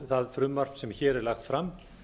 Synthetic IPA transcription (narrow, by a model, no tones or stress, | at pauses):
θaðfɾʏmːar̥psɛmçɛːɾɛɾlaxt̪fɾam